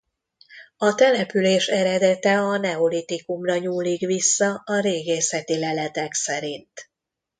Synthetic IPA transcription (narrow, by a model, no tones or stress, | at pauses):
ɒt̪ɛlɛpyleːʃɛɾɛd̪ɛt̪ɛɒnɛo̞lit̪ikumrɒɲuːlːikʋisːɒɒɾeːɡeːsɛt̪ilɛlɛt̪ɛksɛɾint̪